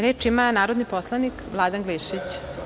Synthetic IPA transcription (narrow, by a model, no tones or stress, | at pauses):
ɾeːt͡ʂimanaːɾod̪niposlˠanikʋlˠad̪anɡliʃit͡ɕ